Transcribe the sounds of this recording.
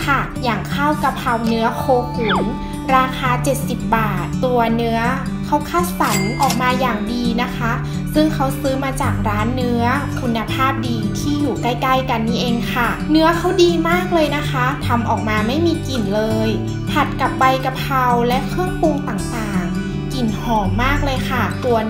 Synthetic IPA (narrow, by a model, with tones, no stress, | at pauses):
kʰa˥˩ | jaː˨˩ŋkʰaː˥˩wka˨˩p̚pʰa˧wnɯ˦˥ɐkʰoː˧kʰu˩˦m | ɾaː˧kʰaː˧t͡ɕe˨˩t̪̚si˨˩p̚baː˨˩t̪ːu˧ɐnɯ˦˥ɐ | kʰa˦˥wkʰaː˥˩sa˩˦nʔɔː˨˩k̚maː˧jaː˨˩ŋdiː˧na˦˥kʰa˦˥ | sɯ˥˩ŋkʰa˦˥wsɯː˦˥maː˧t͡ɕaː˨˩k̚ɾaː˦˥nːɯ˦˥ɐkʰu˧nːa˧pʰaː˥˩p̚diː˧t̪ʰiː˥˩juː˨˩ka˦˥˩jkaː˥˩jka˧nːiː˥˩ʔeː˧ŋkʰa˥˩ | nɯ˦˥ɐkʰa˦˥wdiː˧maː˥˩k̚lɤː˧jna˦˥kʰa˦˥t̪ʰa˧mʔɔː˨˩k̚maː˧ma˥˩jmiː˧ki˨˩nlɤː˧j | hʰa˨˩t̪̚ka˨˩pːa˧jka˧pʰa˧wlɛ˦˥kʰɯ˥˩əŋpu˧ŋt̪aː˨˩ŋt̪aː˨˩ŋ | ki˨˩nhɔː˨˩ŋmaː˥˩k̚lɤː˧jkʰa˥˩t̪u˧ɐ